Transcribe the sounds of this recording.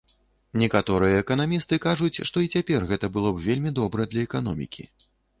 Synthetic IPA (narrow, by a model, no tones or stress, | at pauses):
nʲɛkat̪ɔɾɨjɛːkɐnamʲist̪ɨkaʐut͡sʲʂt̪ɔit͡sʲapʲɛrɣɛt̪ɐbɨlˠɔbvʲelʲmʲid̪ɔbɾɐd̪lʲɐɛkanɔ̰mʲḭkʲḭ